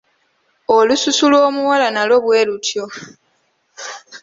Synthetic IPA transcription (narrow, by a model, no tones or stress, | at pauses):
olususulwo̞ːmuwalanalo̞βwe̞ːlutʰjo̞